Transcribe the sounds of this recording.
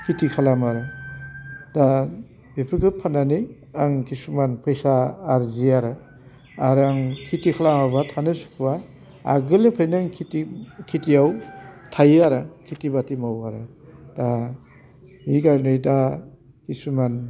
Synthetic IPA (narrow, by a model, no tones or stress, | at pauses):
kʰitikʰalamaɾa | da | bepʰikɯpʰanani | aŋkisumanpʰɯjsaːɾziaɾa | aɾaŋkʰitikʰalamabatʰanɯsu̥kʰba̰ː | ɡɯleŋpʰɾjnaŋʰitikʰitijawtʰajaɾakʰitibatimawaɾada | ikaɾnɯjda | kisuman